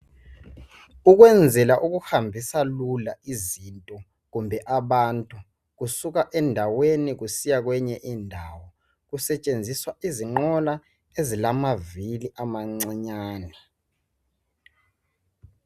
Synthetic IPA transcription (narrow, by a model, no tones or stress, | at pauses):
uk̬wɛnd͡zʱɛlaʔuk̬uhambʱisalulaizintʼɔ | k̬umbʱɛʔaɓantʼu | k̬usuk̬aʔɛndʱawenik̬usijak̬wɛɲɛʔiːndʱawɔ | k̬usɛt͡ʃʼend͡zʱiswaʔiziŋ͡ǃɔla | ezilamaviliʔamaŋ͡ǀaɲaːnɛ